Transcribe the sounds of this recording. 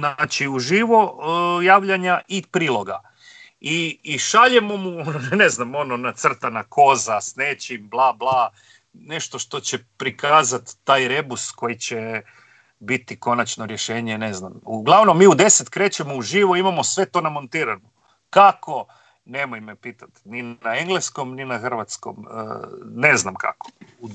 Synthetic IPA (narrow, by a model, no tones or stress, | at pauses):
nat͡ʃiuʒiʋo̞jaːʋʎaɲaʔipɾiːlˠo̞ɡa | iːʃaʎe̞mo̞muonone̞znamo̞no̞nat̪sr̩t̪anakʰo̞zasneːt͡ɕimblˠaːblˠaː | ne̞ʃt̪oʃt̪o̞t͡ɕe̞pɾikaːzat̪ːaːjɾe̞busko̞jit͡ɕe | bit̪iko̞nat͡ʃno̞ɾjeʃe̞ːɲeneznamuɡlˠaʋnomːiːud̪e̞set̪kɾe̞ːt͡ɕemouʒiːʋoimamosʋe̞t̪o̞ːnamo̞nt̪iːɾanu | kako̞ | ne̞mojmepiːt̪at̪ninaeŋɡlesko̞mninaxr̩ʋat̪sko̰mə̰neznamka̰ko̥u